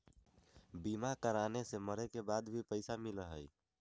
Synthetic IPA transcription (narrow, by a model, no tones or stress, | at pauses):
bimakəɾaneseməɾekebad̪bʱipəɪsamiləɦəj